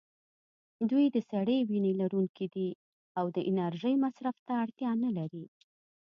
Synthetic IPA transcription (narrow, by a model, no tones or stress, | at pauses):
d̪ujd̪əsaɽəwinelaɾuŋkʰid̪i | awd̪əʔɪnaɾʒəjmasɾaft̪aːɽt̪jɑnəlaɾi